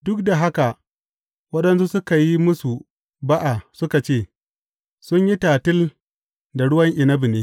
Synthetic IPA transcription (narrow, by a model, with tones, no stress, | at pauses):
dʊ˦k̚da˨ɦa˦ka˨ | wɐ˦ɗɐ˦nsu˦sʊ˦ka˨ji˦mʊ˦su˨ | ba˦ʔa˨sʊ˦ka˨t͡ʃeː˦˨ | sʊ˦ɲji˦taː˨tɪ˦l | da˨ɽʊ˦wɐ˦ŋʔɪ˨nɐ˦bi˨neː˦